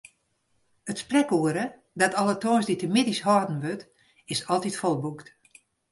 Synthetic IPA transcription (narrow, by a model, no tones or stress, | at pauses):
ətsprɛkuəɾə | dɔtɔlˠətoənsditəmɪdishɔːdn̩ʋøt | ɪsɔlˠtitfɔlˠbukt